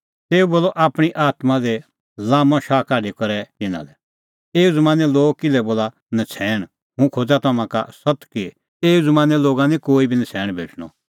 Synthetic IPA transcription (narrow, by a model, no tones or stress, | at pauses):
t̪eːuboːlɔʔaːpɽ̃iʔaːt̪mãd̪ɛ | laːmɔ̃ʃaːkaːɖikɐɾɛt̪ɪnã̰lɛ | eːud͡zɐmãːnɛloːɡkɪlɛboːla | nɐt͡sʰɛːɽ̃ | ɦũkʰoːd͡zat̪ɐmãka̰sɐt̪ki | eːud͡zɐmãːnɛloːɡanĩkoːibʱinɐt͡sʰɛːɽ̃bʱḛːʈʰɽ̃ɔ̰